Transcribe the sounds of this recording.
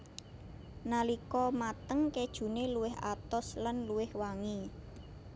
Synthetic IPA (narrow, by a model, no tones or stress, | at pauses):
nalikɔmat̪əŋked̥ʒ̥ṳneluwɪhʔa̰t̪ɔslanluwɪhwaŋi